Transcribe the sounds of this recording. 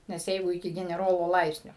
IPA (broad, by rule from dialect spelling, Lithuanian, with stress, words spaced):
nʲɛs ˈjɛɪɡʊ ɪˈkʲɪ ɡʲɛnʲɛˈroːlˠoː ˈlˠɐɪpʲsʲnʲoː